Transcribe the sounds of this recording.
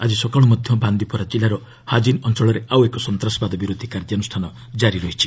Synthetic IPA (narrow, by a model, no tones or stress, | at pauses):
ad͡ʒisɔkaɭ̃ɔmɔd̪ʱjɔband̪ipɔɾad͡ʒilaɾɔ | had͡ʒinɔnt͡ʃɔɭɔɾeawekɔsɔnt̪ɾasɔbad̪ɔbiɾod̪ʱikaɾd͡ʒ̪janusʈʰanɔ | d͡ʒaɾiɾɔɦit͡ʃʰi